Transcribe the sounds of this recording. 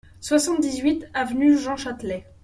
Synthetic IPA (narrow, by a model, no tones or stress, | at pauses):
swasɑ̃t̪̚d̪izɥit̪avnyʒɑ̃ʃat̪lɛ